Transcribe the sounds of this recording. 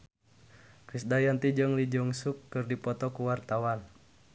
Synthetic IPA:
kɾisdajant̪id͡ʒɨŋlid͡ʒɔŋsukːɨrdipɔt̪ɔkuwart̪awan

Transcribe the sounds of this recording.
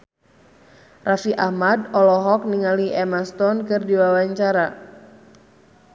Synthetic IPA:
rafiʔahmadɔlɔɦɔk̚niŋaliʔɛmast̪ɔnkɨrdiwawaɲt͡ʃaɾa

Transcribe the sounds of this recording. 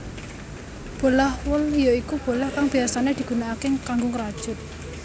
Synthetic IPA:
b̥o̤lahwəljoikub̥o̤lahkaŋb̥i̤asaned̪̥i̤ɡ̥ṳnaːkekaŋɡʊŋəɾad̥ʒ̥ʊ̤t̪̚

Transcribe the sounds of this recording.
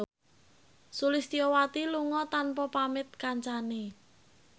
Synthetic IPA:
sulist̪iɔwat̪iluŋɔt̪anpɔpamɪt̪̚kaɲt͡ʃane

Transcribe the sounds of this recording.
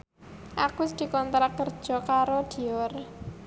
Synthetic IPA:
ʔakʊsd̪̥i̤kɔnt̪ɾakərd̥ʒ̥ɔ̤kaɾod̪̥i̤ɔr

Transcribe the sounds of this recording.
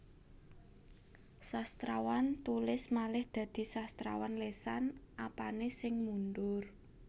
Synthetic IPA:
sast̪ɾawant̪ulɪsmalɪhd̪̥ä̤d̪̥i̤sast̪ɾa̰wanlesanʔapanesɪŋmunɖʊr

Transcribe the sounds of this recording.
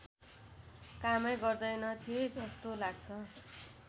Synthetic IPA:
kamʌjɡʌrd̪ʌjnʌt̪ʰied͡zʌst̪olaɡ̚t͡sʰʌ

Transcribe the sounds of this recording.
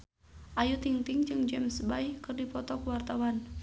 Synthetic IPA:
ʔajut̪iŋt̪iŋd͡ʒɨŋd͡ʒɛmsbaihkɨrdipɔt̪ɔkuwart̪awan

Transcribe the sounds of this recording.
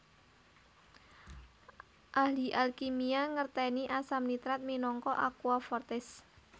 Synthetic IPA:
ʔahliʔalkimiaŋərt̪ɛniʔasamnit̪ɾat̪̚minɔŋkɔʔakuafɔrt̪ɪs

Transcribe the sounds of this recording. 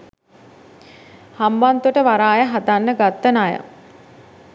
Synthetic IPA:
hambant̪uʈəʋaɾaːjəɦat̪anːəɡat̪ːənajə̰

